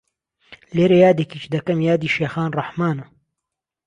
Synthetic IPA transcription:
leːɾɐjaːd̪ekiːt͡ʃd̪ɐkɐmjaːd̪iːʃeːxaːnrɑħmaːnɐ

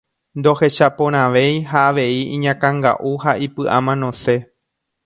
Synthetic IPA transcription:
nd̪o̞he̞ʃapõ̞ɾ̃ãʋe̞jɦaːʋe̞iĩɲãkãŋɡa̰ʔuhaʔipɨʔamãnõse̞

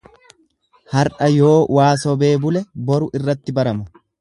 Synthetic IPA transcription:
hɐɾʔɐjo̞ːwaːsɔbe̞ːbʊlɛbɔɾʊʔɪrːɐt̪ːɪbɐɾɐmɐ

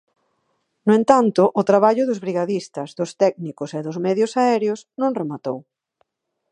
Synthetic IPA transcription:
nʊẽnt̪ant̪ʊʔːt̪ɾaβ̞aʎʊðʊzβɾiɣaðist̪ɐzðʊst̪ɛɡnikʊseðʊzmɛðjʊsaɛɾjʊsnõŋremat̪ow

